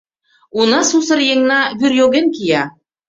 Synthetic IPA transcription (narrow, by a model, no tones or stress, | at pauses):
unɑsusɤ̆ɾjeŋnɑβyɾjoɣenkijɑ